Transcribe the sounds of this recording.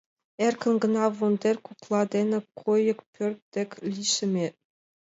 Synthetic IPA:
erʲkʲʰɘ̆nɡɤ̆nɑʋund̪ʲerʲkuklˠɑd̪ʲenʲɘ̆kʰojɤ̆kpʲʰørʲt̪d̪ʲĕkʲlʲiʃɘ̆mʲe

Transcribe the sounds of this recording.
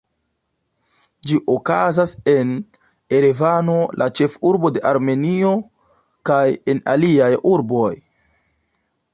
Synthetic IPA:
d͡ʒiʔokazase̞n | e̞ɾevano̞lʔat͡ʃe̞fuɾbo̞de̞ʔaɾme̞nio̞ | kaje̞na̰liajuɾbo̞j

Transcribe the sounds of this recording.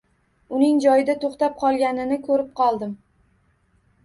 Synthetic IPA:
ʊnɪŋd͡ʒɒjɪd̪at̪ʰoχt̪ap̚qʰɒlˠɡʲanɪnɪkʰɵɾɪp̚qʰɒlˠd̪ɪm

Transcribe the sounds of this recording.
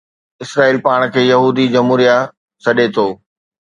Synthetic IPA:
ɪsɾaːiːlpaːɽ̃kʰeːjɐɦuːd̪id͡ʑɐmɦuːɾija | sɐɗet̪ʰoː

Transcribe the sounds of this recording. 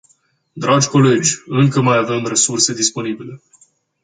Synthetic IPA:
d̪ɾʔad͡ʒʲko̞le̞d͡ʒʲɨŋkəmajave̞mre̞surse̞d̪ispo̞nibile̞

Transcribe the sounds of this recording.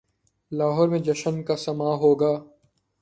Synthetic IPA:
laːɦɔːɾmẽd͡ʒɐʃənkasɐmaːɦoːɡaː

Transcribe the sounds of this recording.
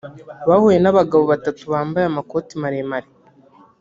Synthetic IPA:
βahuje̞naβaɡaβo̞βatatuβaːmbajamako̞ːtimaɾemaɾi

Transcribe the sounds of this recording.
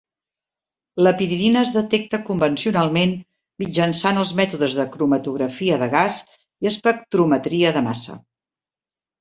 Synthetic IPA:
ləpiɾiðinəːzðət̪ɛk̚t̪əkumbənsiunalˠmen | mid͡ʒənsanəlˠzmɛt̪uðəzðəkɾumət̪uɣɾəfiəðəɣaz | iəspək̚t̪ɾumət̪ɾiəðəma̰sə̰

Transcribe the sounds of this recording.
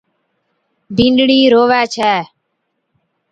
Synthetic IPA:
bĩnɖɽiːɾoːʋɛːt͡ʃʰɛː

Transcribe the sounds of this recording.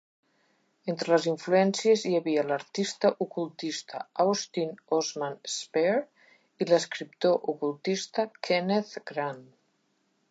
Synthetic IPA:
ent̪ɾələziɱfluɛnsiəzjəβiələɾt̪ist̪əʔukulˠt̪ist̪ə̰awst̪inɔzmanspeɾ | iləskɾipt̪oʔukulˠt̪ist̪əkʰeneθɡɾan

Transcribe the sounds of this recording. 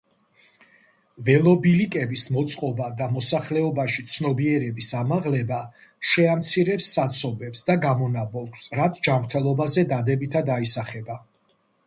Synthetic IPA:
vɛlˠɔbilikʼɛbismɔt̪sʼqʼɔbad̪amɔsaχlɛɔbaʃit̪sʰnɔbiɛɾɛbisamaʁlɛba | ʃɛamt̪sʰiɾɛpsːat̪sʰɔbɛpsd̪aɡamɔnabɔlˠksɾat̪ʰd͡ʒamɾt̪ʰɛlˠɔbazɛd̪ad̪ɛbit̪ʰad̪aisaχɛba

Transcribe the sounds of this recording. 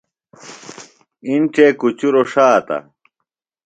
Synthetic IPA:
int͡ɕekut͡ɕuɾoʂaːt̪a̰

